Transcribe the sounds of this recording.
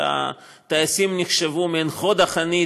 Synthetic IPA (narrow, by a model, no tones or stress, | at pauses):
a̰ | t̪aesimniχʃevumenχod̪aχani